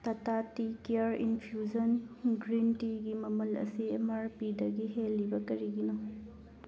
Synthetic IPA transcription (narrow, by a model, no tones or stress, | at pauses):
tɐtatikiɐɾinpʰiud͡ʒɐnɡɾintiɡimɐmɐlɐ̰siemɐɾpidɐɡiɦelːibɐkɐɾiɡino